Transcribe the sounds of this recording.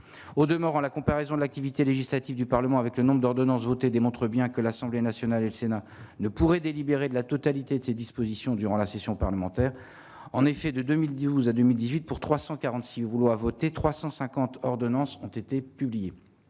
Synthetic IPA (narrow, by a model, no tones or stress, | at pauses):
od̪əmɔʁɑ̃lakɔ̃paʁɛzɔ̃d̪əlak̚t̪ivit̪eleʒislat̪ivd̪ypaʁləmɑ̃avɛklənɔ̃bʁəd̪ɔʁd̪ɔnɑ̃svot̪ed̪emɔ̃t̪χəbjɛ̃kəlasɑ̃blenasjɔnaleləsena | nəpuʁɛd̪elibeʁed̪əlat̪ɔt̪alit̪ed̪əsed̪ispozisjɔ̃d̪yʁɑ̃lasesjɔ̃paʁləmɑ̃t̪ɛʁ | ɑ̃nefɛd̪əd̪ømild̪uzad̪ømild̪izɥit̪̚puʁt̪χwasɑ̃kaʁɑ̃t̪sivulwavɔt̪et̪χwasɑ̃sɛ̃kɑ̃t̪ɔʁd̪ɔnɑ̃sɔ̃t̪et̪epyblije